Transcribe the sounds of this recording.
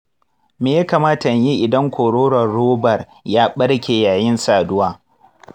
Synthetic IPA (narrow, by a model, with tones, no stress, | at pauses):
meː˨ja˦kaː˨maː˦ta˨ji˦ʔɪ˨dɐ˦ŋkʷoː˨ɽoː˦ɽɐ˨rːoː˦bɐ˨r | jaː˦ɓɐ˦ɽkʲeː˨jaː˨jɪ˦nsaː˨dʊ˦waː˦